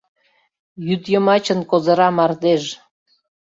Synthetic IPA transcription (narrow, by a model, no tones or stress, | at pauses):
jyd̪jəmɑt͡ɕənkozə̆ɾɑmɑrd̪eʒ